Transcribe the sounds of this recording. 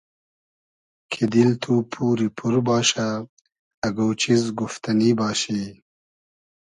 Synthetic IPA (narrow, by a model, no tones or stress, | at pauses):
kʰid̪ilt̪ʰuːpʰuːɾipʰuɾbɑːɕaː | ɡowt͡ɕizɡuft̪ɐniːbɑːɕe